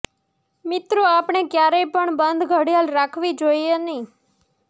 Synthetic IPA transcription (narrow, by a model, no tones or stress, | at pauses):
mɪt̪ɾoapɳ̃ekjaɾəjpəɳbənd̪ʱɡʱəɽjalɾakʰʋid͡ʒoienĩ